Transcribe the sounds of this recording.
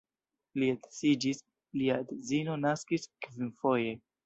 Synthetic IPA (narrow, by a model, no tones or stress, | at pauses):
liatsid͡ʒis | liadezino̞naskiskvinfo̞je̞